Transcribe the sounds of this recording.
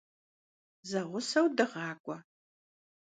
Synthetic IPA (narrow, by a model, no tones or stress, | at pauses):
zɐʁʷʊsɐwdɨʁɑːkʷʼɔ